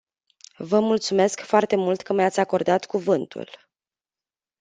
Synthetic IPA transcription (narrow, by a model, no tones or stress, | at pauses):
vəmult̪sume̞skfoart̪e̞mult̪kəmjat̪sʲako̞rd̪at̪kuvɨnt̪ṵl